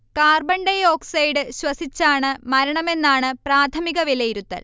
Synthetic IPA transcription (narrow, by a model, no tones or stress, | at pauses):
kaːrbɐɳɖejo̞ːksɐjɖɨɕwɐsit͡ɕːaːɳɨmɐɾɐɳɐme̞nːaːɳɨpraːt̪ʰɐmiɣɐʋilejiɾut̪ːɐ̰l